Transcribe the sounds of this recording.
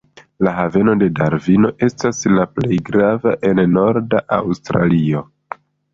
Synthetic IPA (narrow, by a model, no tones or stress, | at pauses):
laɦave̞no̞de̞daɾvino̞ʔe̞staslaple̞jɡɾavaʔe̞nno̞ɾdaʔawstɾa̰lio̞